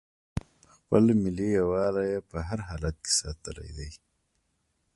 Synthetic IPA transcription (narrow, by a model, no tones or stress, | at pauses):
xpəlmɪliawɑːlajepəɦaɾɦaːlat̪̚ke̥saːt̪əla̰jd̪aj